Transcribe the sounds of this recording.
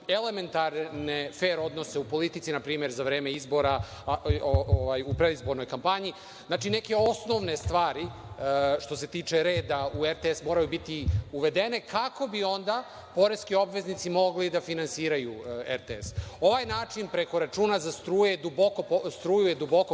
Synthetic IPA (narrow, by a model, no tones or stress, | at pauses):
eleme̞nt̪aɾnefeːɾo̞d̪no̞seupo̞lit̪it̪sinapɾiːme̞ɾzaʋɾe̞ːme̞izbo̞ɾa | ooʋajupɾed̪izbo̞ɾnojkampaɲi | znaːt͡ʃine̞ke̞o̞sno̞ʋne̞st̪ʋaːɾi | ʃt̪o̞se̞t̪iːt͡ʂe̞ɾeːd̪aueɾt̪eesmo̞ːɾajubit̪iuʋe̞d̪ene̞kʰako̞bio̞nd̪a | po̞ɾeskio̞bʋe̞znit̪simo̞ɡlid̪afinansiːɾajueɾt̪eeso̞ʋajnaːt͡ʂinpɾe̞ko̞ɾat͡ʃuːnazast̪ɾuːjed̪ubokopost̪ɾuːjujed̪ubo̞ko